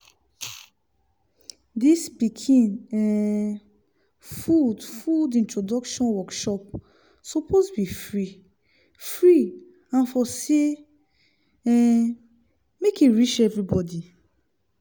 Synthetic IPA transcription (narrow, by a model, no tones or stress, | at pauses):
dispikʰĩnɛ | fudfudĩntɹodɔkʃɔ̃nwɔkʃɔp̚ | sɔpʰosbifɹi | fɹi | ãnfɔse | ɛ | mekiɹit͡ʃɛvɹibɔdi